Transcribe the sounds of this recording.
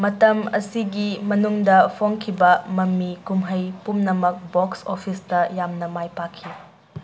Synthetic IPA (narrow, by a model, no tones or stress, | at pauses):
mɐtɐmɐsiɡimɐnuŋdɐpʰoŋkʰibɐmɐmːikumɦɐjpumnɐmɐk̚boksopʰistɐjamnɐmajpakʰːi